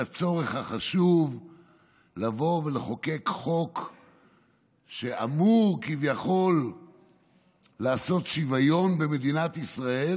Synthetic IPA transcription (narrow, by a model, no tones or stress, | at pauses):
at͡so̞ʁe̞χhaχaʃuv | lavo̞ve̞leχo̞ke̞kχo̞k | ʃe̞ʔa̰muʁkivjaχo̞l | aːso̞t̪ʃivajo̞nbe̞me̞d̪inat̪isʁae̞l